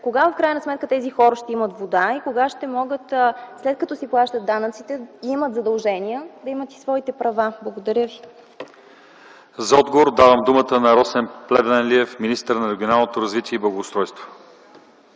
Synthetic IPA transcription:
koɡafkɾajnɐsmɛt̪kət̪ɛzixɔɾəʃt̪ɛimət̪vod̪aikoɡaʃt̪ɛmɔɡət̪slɛt̪̚kɐt̪ɔsiplˠaʃt̪ət̪d̪ːanət̪sit̪ɛimət̪zɐd̪ɐlˠʒɛniəd̪ɐimət̪i̥svɔit̪ɛpɾɐvablˠɐɡod̪ɐɾʲjəvi | zɐɔd̪̚ɡovoɾd̪avəmd̪umət̪ənɐɾɔsɛnplɛb̪ɛnliɛfminist̪əɾnɐɾɛɡʲionalˠnot̪oɾɐzvit̪iɛiblˠɐɡoːst̪ɾɔjst̪vo̥

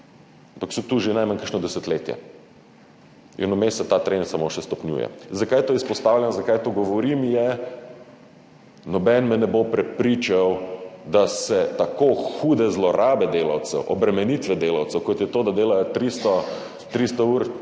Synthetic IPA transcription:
ampaksɔt̪uʒenajmankəɾʃnɔd̪ɛsət̪leːt̪jɛ̰ | ḭnɔmesɛt̪at̪ɾensamoʃɛst̪ɔpnʲjṵːjɛ̰zakajt̪oːispɔst̪aːwlʲjanzakajt̪oɡɔʋɔɾimjɛ | nɔbɛnmɛnɛbopɾɛpɾit͡ʃawd̪asɛt̪akoxuːd̪ɛzlɔɾaːbɛd̪eːla̰wt̪sɛ̰wʔɔbɾɛmɛnit̪ʋɛd̪eːlawt̪sɛwkɔt̪jɛt̪od̪ad̪eːlajɔt̪ɾist̪ɔ | t̪ɾist̪ɔuːɾ

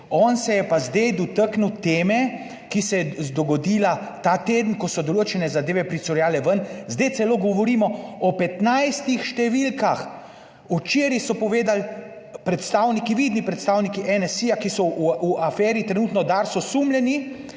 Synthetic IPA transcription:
ɔːnsɛjɛpazd̪ejd̪ɔt̪əknut̪eːmɛ | kisɛjɛd̪ɔɡɔd̪iːlat̪aːt̪eːd̪n̩kɔsɔd̪oloːt͡ʃɛnɛzad̪eːʋɛpɾisɔɾjaːlɛʋənzd̪ejt̪sɛloɡɔʋɔɾiːmɔɔpɛt̪najst̪ixʃt̪ɛʋilkax | ut͡ʃeːɾisɔpɔʋeːd̪al | pɾɛt̪st̪aːwnikiʋid̪nipɾɛt̪st̪aːwnikiʔɛnɛsijakisɔuuafɛːɾit̪ɾɛnuːt̪nɔd̪aːɾsɔsumljɛni

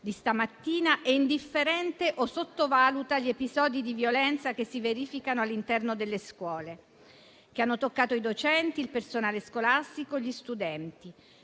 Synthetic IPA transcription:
d̪ist̪amat̪ːiːnaʔɛind̪ifːeɾɛnt̪eʔosot̪ːovaːlut̪aʎːiepizɔːd̪id̪ivjolɛnt̪sak̟esːiveɾiːfikanoalːint̪ɛrnod̪elːeskwɔːle | k̟eanːot̪okːaːt̪oid̪ot͡ʃɛnt̪iːlpersonaːleskolast̪ikoʎːist̪ud̪ɛnt̪i

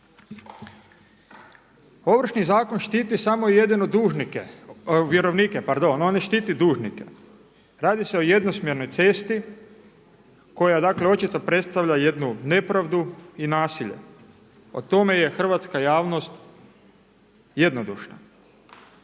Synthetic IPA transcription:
o̞ʋr̩ʃnizaːko̞nʃt̪iːt̪isamoije̞d̪inod̪uːʒnikeʋjeɾoʋniːkepaɾd̪o̞noniʃt̪iːt̪id̪uːʒnikḛ | ɾaːd̪iseo̞je̞d̪no̞smjeɾno̞jt̪se̞st̪i | ko̞jad̪akleo̞t͡ʃit̪opɾe̞t̪st̪aʋʎaje̞d̪nune̞pɾaʋd̪uinaːsiʎe̞̰ | o̰t̪o̞me̞je̞xr̩ʋat̪skajaːʋno̞st̪ | je̞d̪nod̪ṵʃna̰

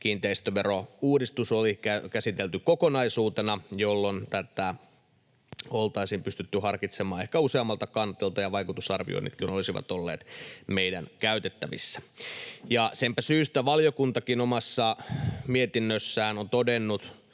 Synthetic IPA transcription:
kiːnt̪eist̪øʋeɾouːdist̪usolikækæsit̪elt̪ykokonɑisuːt̪enɑjolːont̪æt̪æ | olt̪ɑisiːmpyst̪yt̪ːyhɑrkit̪semɑːe̞hkæuseɑmːɑlt̪ɑkɑnt̪ːˑelt̪ɑjɑʋɑikut̪usɑrʋḭo̰ḭnḭt̪kinolisiʋɑ̰t̪olːḛːt̪meidæ̰nkæyt̪et̪ːæʋḭsːæ̥jɑsempæsyːst̪æʋɑlijokunt̪ɑkinomɑsːɑmiet̪inːøsːæːnont̪odenːut̪

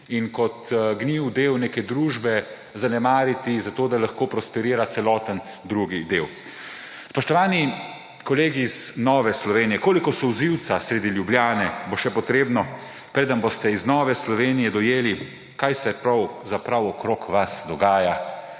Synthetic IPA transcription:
inkɔt̪ɡniwd̪eːwneːkɛd̪ɾuːʒbɛ | zanɛmaːɾit̪izat̪oːd̪alaxkoːpɾɔspɛɾiːɾat̪sɛlɔːt̪ən | d̪ɾuɡid̪eːw | spɔʃt̪ɔʋaːni | kɔleːɡiːznɔːʋɛslɔʋeːnijɛkoːlikɔsɔwziwt̪sasɾed̪ilʲjubljaːnɛboʃɛpɔt̪ɾeːbnɔ | pɾeːd̪ənbost̪ɛiznɔːʋɛslɔʋeːnijɛd̪ɔjeːli | kajsɛpɾawzapɾawɔkɾoːkʰʋasd̪ɔɡaːja

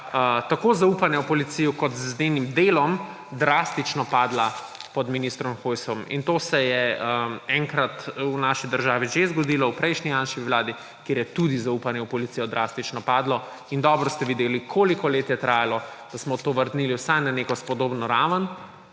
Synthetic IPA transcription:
ət̪akoːzaupanjɛupɔlit̪sijɔkɔt̪znenimd̪elɔm | d̪ɾaːst̪it͡ʃnɔpaːd̪la | pɔd̪minist̪ɾɔmxojsɔmḭnt̪oːsɛjɛəɛŋkɾat̪unaːʃid̪əɾʒaːʋiʒezɡɔd̪ilɔwpɾɛjʃnijanʃkiʋlaːd̪i | kjeːɾjɛt̪ud̪izaupanjɛwpɔlit̪siːjɔd̪ɾaːst̪it͡ʃnɔpaːd̪lɔ | ind̪ɔːbɾɔst̪ɛʋid̪elikʰolikɔleːt̪jɛt̪ɾaːjalɔd̪̥asmɔt̪oʋəɾd̪niːliwsajnaneːkɔspɔd̪oːbnɔɾaːʋən

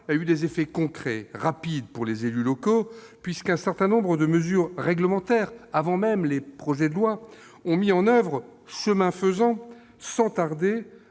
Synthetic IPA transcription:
iayd̪ezefɛkɔ̃kχɛʁapid̪puʁlezelylɔko | pɥiskɛ̃sɛʁt̪ɛ̃nɔ̃bʁəd̪əməzyʁːɛɡləmɑ̃t̪ɛːʁavɑ̃mɛmlepχɔʒɛd̪əlwa | ɔ̃miɑ̃nœvʁ | ʃəmɛ̃fəzɑ̃ | sɑ̃t̪aʁd̪e

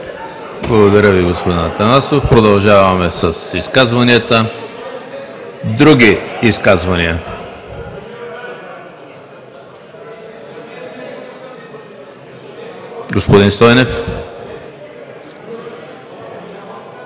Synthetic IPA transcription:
blˠɐɡod̪ɐɾəviɡospod̪inat̪ɐnasofpɾod̪ɐlˠʒavɐmɛsɐsiskazvɐniət̪ə | d̪ɾuɡ̟iːskazvɐniə | ɡospod̪inst̪ɔjnɛf

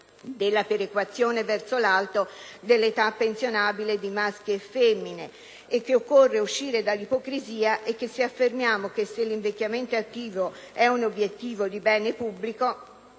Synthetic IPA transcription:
d̪elːapeɾekwat̪sːjoːnevɛrt̪solalt̪od̪elːet̪apːensjonaːbiled̪imask̟jefɛmːineː | kːeokːorːeuʃːiːɾed̪alːipokɾiziːaʔekːesːiafːermjaːmokesːelːiɱvek̟ːjament̪oat̪ːiːvo | ɛunobjet̪ːiːvod̪ibɛːnepubːliko

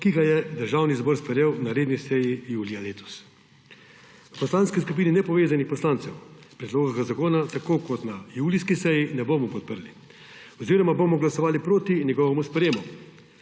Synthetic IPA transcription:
kiɡajɛd̪əɾʒaːwnizbɔɾspɾjewnaɾeːd̪nisɛjijuːlialeːt̪ɔ̥s | pɔslanskiskup̬iːninɛpɔʋeːzanixpɔslaːnt̪sɛwspɾɛd̪loːɡaɡazakoːnat̪akoːkɔt̪najuːliskisɛjinɛboːmɔpɔt̪̚pəɾli | ɔziːɾɔmabomɔɡlasɔʋaːlipɾoːt̪inʲjɛɡɔʋɛmuspɾjeːmɔ

